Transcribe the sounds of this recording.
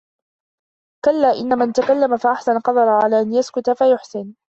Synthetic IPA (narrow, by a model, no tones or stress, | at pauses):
kalːaːʔɪnːamant̪akalːamafaʔaħsanqɑd̪ˤɑɾˤʕalaːʔanjaskʊt̪afajʊħsɪn